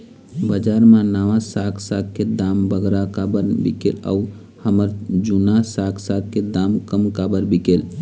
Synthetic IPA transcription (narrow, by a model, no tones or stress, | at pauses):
bəd͡ʒaɾmanəʋãsakʰsaɡ̚ked̪ambəɡɾakabəɾbḭkḛla̰u | həməɾd͡ʒunasakʰsaɡ̚ked̪amkəmkabəɾbikel